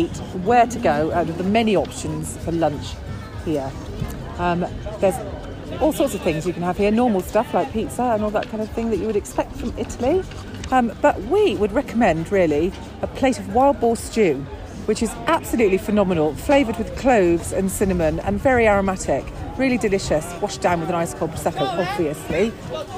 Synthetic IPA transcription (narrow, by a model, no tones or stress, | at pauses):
itwəːtʰəɡəʊə̃nəðəmɛniɒpʃə̃nz̥fəlʌ̃nt͡ʃ | hiə | ʌ̃mðəz | ɔːlˠsɔˑtsəv̥θɪ̃ŋzjəkə̃nəv̥hiənɔːməlˠstʌflaɪk̚pʰiˑtsəə̃nɔlˠðə̰ʔ̚kʰãɪ̃ndəv̥θɪ̃ŋðət͡ʃəwəɾɛkspɛk̚tfɹə̃mɪtʰəli | ʌ̃mb̥ʌʔwiwədɹɛkʰəmɛ̃ndɹɪəli | əpʰl̥eɪtəvwaɪlˠd̚bɔːst͡ʃʉː | wɪt͡ʃɪzʔab̥səljʉˑʔlifənɒmənəlˠfl̥eɪvəd̚wɪð̥kʰl̥əʊvz̥ə̰̃nsɪnəmə̃nə̰̃nvɛɹiaɹəmatʰɪkɹɪəlidɪlɪʃəswɒʃd̥ãʊ̃nwɪðə̃naɪskʰɔ̥sɛtʰəlˠɒbviəsli